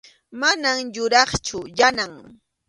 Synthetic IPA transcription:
manamjʊɾɑχt͡ʃʊjanaŋ

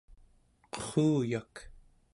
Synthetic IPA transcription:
qə̥χuːjak

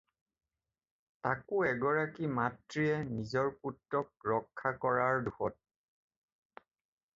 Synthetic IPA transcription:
takʊɛɡɔɹakimatɹiɛnizɔɹkutɹɔk̚ɹɔkʰːakɔɹaɹduxɔt̚

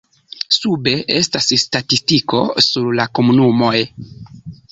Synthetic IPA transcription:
sube̞ʔe̞stasstatistiko̞suɾlako̞munumo̞j

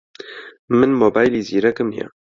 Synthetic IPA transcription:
mɨnmoːbaːjliːziːɾɛkɨmnja̰

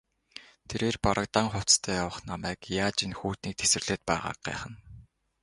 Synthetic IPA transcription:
t̪ʰeɾeːrpɔɾə̆k̚t̪aːŋχʊ̥t͡st̪ʰœːjawə̆χnamæːkjaːt͡ɕinxuːt̪niːk̚t̪ʰe̥sɘ̆rɮ̥eːt̪̚pæːʁa̰ːq̚ɢæ̰ːχə̆n

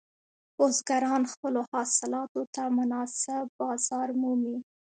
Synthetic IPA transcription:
pozɡaɾɑnxpəlohɑsɪlɑt̪ot̪amʊnɑsɪbbɑz̥ɑɾmumi

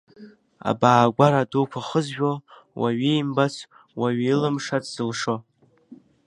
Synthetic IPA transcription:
a̰baːɡʷaɾadukʷʰaχəzʒᶣowʔaɥijmbat͡sʰ | waɥilɨmʂadz̥ɨlʂo

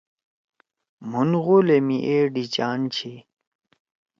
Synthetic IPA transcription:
munɣolemiʔeːɖit͡ɕaːnt͡ɕʰi

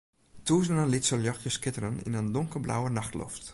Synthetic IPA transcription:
tuːzənənlitsəljɔxtjəskɪtərənḭnəndʊŋkəblʔa̰wənaxtlɔ̰ft

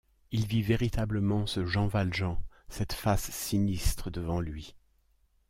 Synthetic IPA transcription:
ilviveʁit̪abləmɑ̃səʒɑ̃valʒɑ̃ | sɛt̪fasːinist̪χəd̪əvɑ̃lɥi

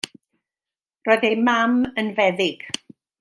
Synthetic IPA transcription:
rɔːɨðejmamənvɛðɪɡ̥

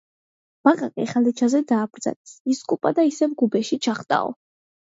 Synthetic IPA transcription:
b̥aqʼaqʼḭχalɛt͡ʃʰazɛd̪aːbɾd̪za̰lɛsiskʼupʼad̪aisɛmɡubɛʃit͡ʃʰaχt̪ʼa̰ɔ̰

